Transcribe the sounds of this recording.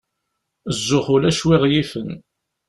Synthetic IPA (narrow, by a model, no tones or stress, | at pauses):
zːʊχʊlæʃwɪʁjifən